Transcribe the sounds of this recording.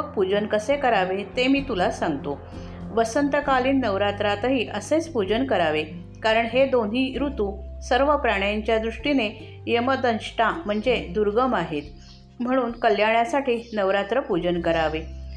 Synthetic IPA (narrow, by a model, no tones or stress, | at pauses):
ək̚pud͡ʑənkəsekəɾaʋet̪emiːt̪ulasãŋɡt̪o | ʋəsənt̪əkaliːnːəʋɾat̪ɾat̪əɦiːʔəset͡spud͡ʑənkəɾaʋe | kaɾəɳɦed̪onɦiːɾut̪uːsəɾʋəpɾaɽ̃jaɲt͡ɕjad̪ɾuʂʈine | jeməd̪ənɕʈãm̤əɳd͡zed̪uɾɡəmaɦet̪ | m̤əɽ̃uːnkəljaɳjasaʈʰiːnəʋɾat̪ɾəpud͡ʑənkəɾaʋe